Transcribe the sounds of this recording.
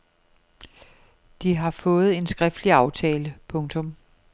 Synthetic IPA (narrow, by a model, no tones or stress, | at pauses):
d̥iɦɑ̈fɔ̽ːð̞̩ˠe̝nsɡ̥ʁɛfd̥liɑ̈ʊt͡sʰɛːləpʰɔ̽ŋt͡sʰɔ̽m